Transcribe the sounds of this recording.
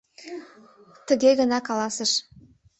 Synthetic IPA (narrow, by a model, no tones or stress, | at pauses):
t̪ə̆ɣeɣənɑkɑlɑsə̆ʃ